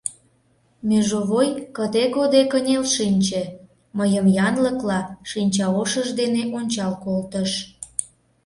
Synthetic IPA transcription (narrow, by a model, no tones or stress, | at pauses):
mʲeʒoβojkəd̪ekod̪ekənʲelʃinʲt͡ɕĕ | məjəmjɑnləklɑʃinʲt͡ɕɑoʃəʒd̪eneʔonʲt͡ɕɑlkolt̪əʃ